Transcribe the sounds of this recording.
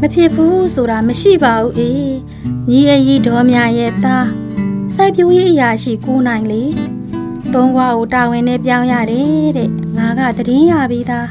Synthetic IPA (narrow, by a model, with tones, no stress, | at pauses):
məpʰjɪ˦pʰːu˦sʰo˨ɾa˨məʃḭ˦˨ba˨ʔu˦ʔe˨ | ɲi˨ʔə˨ji˦˨dɔ˨mja˨jɛ̰˦˨t̪a˦ | sa˦˨ɪʔpjo˦je˦ʔəja˨ʃḭ˦˨ko˨n̥ã˨ɪ̃nle˨ | t̪õ˦ʊ̃ŋɡwa˦˨ɡo˨ta˨wɪ̃˨nɛ̰˦˨p̬jã˦ʊ̃ja̰˦˨ɾɛ˦ɾɛ̰˦˨ŋa˨ɡa̰˦˨d̪əɾɪ̃˦ja˦˨bi˦d̪a˦